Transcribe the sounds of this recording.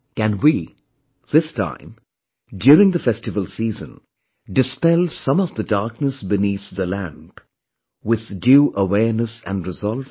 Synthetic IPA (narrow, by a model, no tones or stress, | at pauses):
kɨ̃nwi | ð̥ɪstʰã̰ɪ̃m | djʊːɹɪ̃ŋðəfɛstɨvəlˠsiːzə̰̃n | dɨspɛlˠsʌ̃mʌvðədɑɹk̚nəsbɨniθðəlæ̃mp | wɪð̥djuʔəwɛɹnəsɨ̰̃nɹɨzɔlˠv